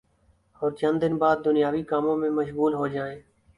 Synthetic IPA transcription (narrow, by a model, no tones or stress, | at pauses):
ɔːɾt͡ʃənd̪ɪnbaːd̪̚ːʊnɪjaːʋiːkaːmõːmẽːməʃɣuːlɦoːd͡ʒaːeː